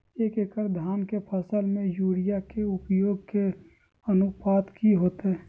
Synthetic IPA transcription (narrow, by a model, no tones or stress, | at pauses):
eːkekəɾd̪ʱaːnkepʰəsəlmẽjuːɽijakeʊpjoːɡ̚ke | ənʊpaːt̪kʰiɦoːt̪ɦɛ